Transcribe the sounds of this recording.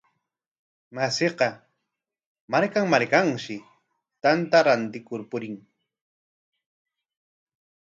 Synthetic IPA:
maseqɑ | maɾkaŋmaɾkaŋʃɪ | t̪ant̪aɾant̪ɪkʊɾpʊɾɪŋ

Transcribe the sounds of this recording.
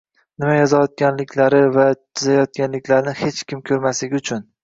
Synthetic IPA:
nɪmajɒzajɒt̪̚ɡʲanlɪkʲlaɾɪvat̪ʰɪzajɒt̪̚kʲanlɪkʲlaɾnɪhe̞t͡ʃkʲɪmkʲʰɵɾmaslɪɡʲʊt͡ʃʰʊn

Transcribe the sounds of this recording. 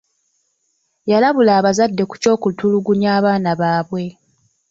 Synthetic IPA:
jalaβulaːβazadːe̞ku̥co̞ːkutuluɡuɲjaːβaːnaβaːβwe̞

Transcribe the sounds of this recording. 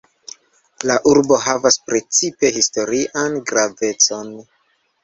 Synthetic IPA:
laʔuɾbo̞ɦavaspɾe̞t͡sipe̞histo̞ɾiʔanɡɾave̞t͡so̞n

